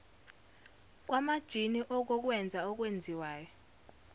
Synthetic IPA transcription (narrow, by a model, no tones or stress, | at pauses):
k̬ʼwamad̥ʒ̥ʱiniʔɔk̬ɔk̬ʼwɛnd͡zʱaɔk̬ʼwend͡zʱiwaːjɔ